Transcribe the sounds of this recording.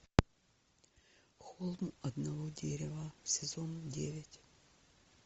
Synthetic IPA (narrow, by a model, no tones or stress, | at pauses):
xolˠmɐd̪nɐvɔdʲeɾʲɪvɐsʲɪzɔndʲeʋʲɐtʲ